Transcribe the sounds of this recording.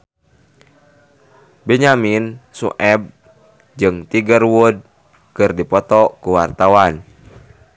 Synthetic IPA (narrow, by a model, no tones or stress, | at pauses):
bɛɲaminsṵʔɛb̚ | d͡ʒɨŋt̪iɡərwud̚ | kɨrdipɔt̪ɔkuwart̪awan